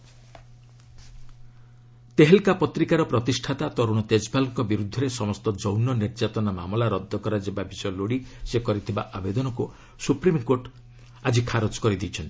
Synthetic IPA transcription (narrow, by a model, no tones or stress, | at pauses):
t̪eɦelkapɔt̪ɾikaɾɔpɾɔt̪isʈʰat̪at̪ɔɾuɽ̃ɔt̪ed͡ʒbalɔŋkɔbiɾud̪ʱːɔɾesɔmɔst̪ɔd͡ʒɔwnɔniɾd͡ʒat̪ɔnamamɔlaɾɔd̪ʱːɔkɔɾad͡ʒebabisɔjɔloɽisekɔɾit̪ʰiba̰ʔabed̪ɔnɔku | supɾimkoʈ | ad͡ʒikʰaɾot͡ʃkɔɾid̪it͡ʃʰɔnt̪i̥